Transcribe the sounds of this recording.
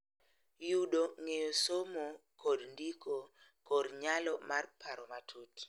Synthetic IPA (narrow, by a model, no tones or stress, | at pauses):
juɗoŋejosomokodndiko | koɾɲalɔmarpʰaɾɔmatʰot